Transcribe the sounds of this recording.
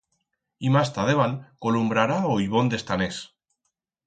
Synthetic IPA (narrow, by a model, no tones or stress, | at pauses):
imast̪aðeβankolumbɾaɾaojβo̞nd̪e̞st̪anes